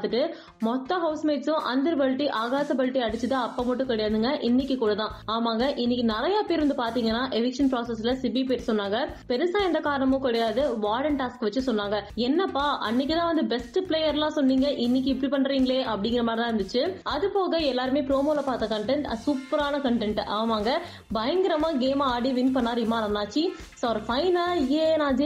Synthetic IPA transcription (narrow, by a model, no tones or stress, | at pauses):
t̪ːɯʈːɯ | mɔt̪ːɐɦɐʊsmeːʈsʊ̃ʔɐnd̪ɐɾpɐɻʈːiʔaːɣaːsɐpɐɻʈːiɐɽɯt͡ʃːɯt̪aɐpːɐmɐʈːɯ̃kɛɽɐjaːðɯŋɡɐʔɪnːɪkʲːɯkuːɽɐt̪ãːaːmaːŋɡɐʔɪnːɪkːɯnɪɾɐjaːpeːɾʋɐnd̪ɯpaːɾt̪iːŋɡɐnːaːʔɛʋɪkʂɐnpɾaːsɐs̬lɐsɪbipeːɾsɔnːaːŋɡɐpɛɾɯsãːɛnd̪ɐkaːɾɐɳɐmõːkɛɽɐjaːðɯʋaːɽɐɳʈaːskɯʋɐt͡ʃːɯsɔnːaːŋɡɐɛnːɐpːaːʔɐ̰nːɪk̬ʲːɯt̪ãːʋɐnd̪ɯbɛsʈɯpleːjɐɾlãːsɔnːiːŋɡɐʔɪnːɪk̬ʲːɯɪpːɐɽipɐɳːɾiːŋɡɐɭeːʔɐpːɐɽɪ̃ŋɡɪɾɐmaːɾɐt̪ãːɾɐnd̪ɯt͡ʃːɯɐðɯpoːɣɐɛlːaːɾɯmeːpɾoːmoːlɐpaːɾt̪ɐkɐɳʈɛɳʈɐsuːpːɐɾaːnɐkɐɳʈɛɳʈʔaːmaːŋɡɐ | bɐjɐŋɡɪɾɐmãːɡeːmaaːɽiʋɪnpɐɳːaːɾɪmaːnɐnaːt͡ʃːi | soːɐɾɐfɐɪnaːeːnaːd͡ʒ